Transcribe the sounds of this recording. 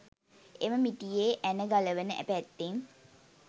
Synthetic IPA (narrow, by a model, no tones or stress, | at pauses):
eməmiʈijeːʔænəɡaləʋənəʔæ̰pæt̪ːeŋ